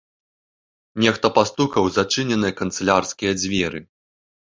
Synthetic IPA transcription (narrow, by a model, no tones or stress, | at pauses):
nʲɛxt̪ɐpast̪ukɐwzat͡ʂɨnʲɛnɨjɐkɐnt̪sɨlʲarskʲijɐd͡zʲvʲɛɾɨ